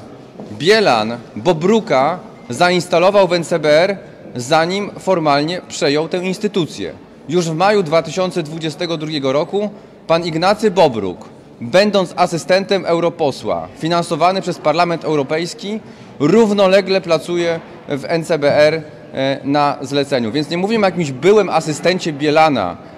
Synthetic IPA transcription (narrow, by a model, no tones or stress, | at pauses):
bʲjɛla̰nbɔbɾuka | zainst̪alɔvawvɛnt̪sɛbɛɛɾ | zaɲimfɔɾmalɲɛpʂɛjɔwt̪ɛw̃inst̪ɘt̪ut̪sʲjɛ̰ | juʐvmajud̪vat̪ɘɕɔnt̪sɛd̪vud͡ʑɛst̪ɛɡɔd̪ɾuɡʲɛɡɔɾɔku | paniɡnat̪sɘbɔbɾṵk | bɛnd̪ɔnt̪sasɘst̪ɛnt̪ɛmʔɛwɾɔpɔswa̰fʲinansɔvanɘpʂɛspaɾlamɛnt̪ɛwɾɔpɛjskʲi | ɾuvnɔlɛɡlɛplat̪sujɛ | vɛnt̪sɛbɛɛɾ | nazlɛt̪sɛɲuvʲjɛnt̪ɲɛmuvʲɛmɔjak̬ʲimʑbɘwɛmʔasɘst̪ɛɲt͡ɕɛbʲjɛlana̰